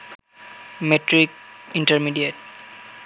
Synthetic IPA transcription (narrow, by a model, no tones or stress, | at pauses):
meʈɾik̚iɳʈəɾmiɖieʈ̚